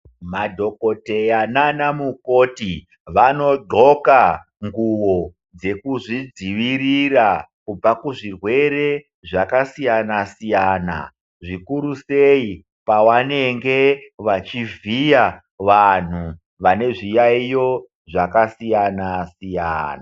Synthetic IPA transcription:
madʱo̞ko̞te̞jananamuko̞ti | ʋano̞ɡ͡ǃʱo̞ka | ŋɡuwo̞ | d͡ze̞kuʐid͡ziʋirirakub͡vakuʐirwe̞ɾe̞ | ʐakasijanasijaːna̰ | ʐikuɾusei | pawane̞ŋɡe̞ʋat͡ʃivija | ʋan̤u | ʋane̞ʐijaijo̞ | ʐakasijanasija̰na

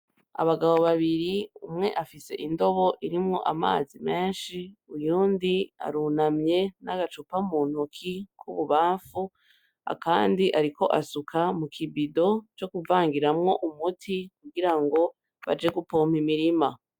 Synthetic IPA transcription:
a̰βaɡaβo̞βaβiɾiumŋe̞̰ʔafise̞̰ʔindo̞βo̞ʔiɾimŋo̞̰ʔama̰ːzimeːnʃiujuːndia̰ɾunamɲe̞naɡat͡ʃupamuːn̥ukʰikʰuβuβaːfu | a̰kaːndiʔaɾiko̞ʔasukʰamukʰibido̞t͡ʃo̞kuvaːŋɡiɾamŋo̞ʔumutʰikuɡiɾaŋɡo̞ | βa̰d͡ʒe̞ɡupoːm̥imiɾima

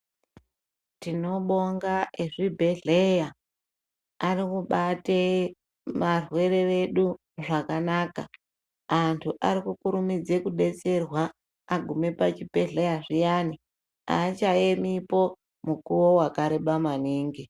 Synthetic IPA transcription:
tino̞ɓo̞ŋɡaʔeʐibʱe̞ɮeja | rikuɓate | marwe̞ɾe̞ʋe̞ɗu | ʐakanaːka | antʰuʔaɾikukuɾumid͡ze̞kuɗe̞t͡se̞rwaː | ɡʱume̞pat͡ʃibʱe̞ɮe̞jaʐijani | a̰t͡ʃaemipo̞ | mukuwo̞wakaɾeɓamaniːŋɡi

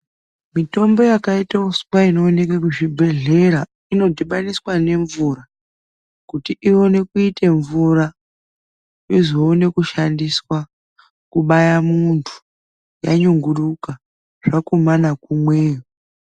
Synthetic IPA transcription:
mito̞mbo̞jakaitausu̥kaino̞ːne̞kakuʐibʱe̞ɮe̞ɾa | ino̞dʱiɓaniswane̞ɱvuɾa | kutiʔio̞ne̞kuite̞ɱvura | izoːne̞kuʃandiswa | kuɓajamuntʰu̥ | jaɲuŋɡuɗuka | ʐ̥akomanakumweːjo

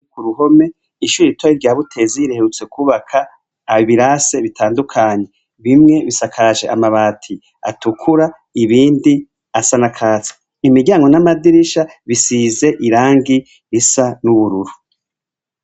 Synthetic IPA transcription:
kuɾuɦo̞me̞ | iʃuɾiitwaiɾɟaːβutʰe̞ziiɾeheɾut͡se̞kuːβakʰaː | βiβiɾaːse̞βitʰaːndukʰaːɲe̞ | βimŋe̞βisakʰaːʒe̞̰ʔa̰maβaːtʰi | a̰tukʰuɾa | iβiːndi | asanakʰaːt͡sḁ | imiɟaːŋɡo̞namadiɾiʃaβisize̞ʔiɾaːŋɡi | isanuβuɾuɾu

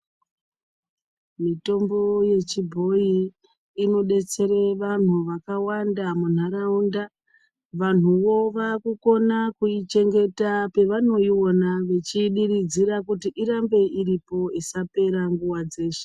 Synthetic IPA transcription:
mito̞mbo̞je̞t͡ʃibʱo̞i | ino̞ɗe̞t͡se̞ɾe̞ʋan̤uʋakawandamun̤aɾaunda | ʋan̤uʋo̞ʋakuko̞nakuit͡ʃe̞ŋɡe̞tape̞ʋano̞io̞naʋe̞t͡ʃiɗirid͡ziɾakutiʔiɾambe̞iɾipo̞isape̞ɾaŋɡuwad͡ze̞ːʃe̥

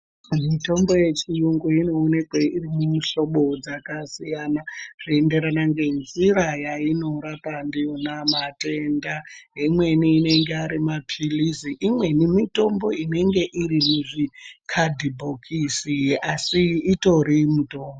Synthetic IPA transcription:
mito̞mbo̞je̞t͡ʃijuŋɡuino̞ːne̞kweirimumuʃo̞ɓo̞d͡zakasijanaʐ̥ie̞nde̞ɾanaŋɡe̞nziɾajaino̞ɾapandijo̞namate̞ndaɦimwe̞niːne̞ŋɡeaɾimapʰilisiʔimwe̞nimito̞mbo̞ine̞ŋɡe̞ʔirimuʐikʰadʱibʱokʰisiʔasiːto̞ɾimuto̞ːmbo

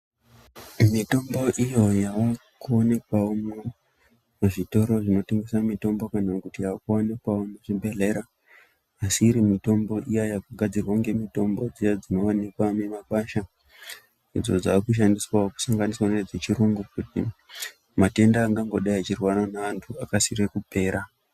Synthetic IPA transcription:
mito̞mbo̞ʔijo̞jaʋakuone̞kwaomu | maʐito̞ɾo̞ʐino̞te̞ŋɡe̞samito̞mbo̞kanakutijakuone̞kwaomuʐibʱe̞ɮe̞ɾaː | siːɾimito̞mbo̞ʔijajakuɡʱad͡zirwaŋɡe̞mito̞mbo̞d͡zijad͡zino̞ʋanekwamemaɓaʃa | id͡zo̞d͡zakuʃ̬andiswaoku̥saŋɡaniswaned͡zet͡ʃiɾuŋɡukutḭ | mate̞ndaːŋɡaŋɡo̞ɗaiat͡ʃirwanonaʋantʰuakasirekupe̞ːɾʔa

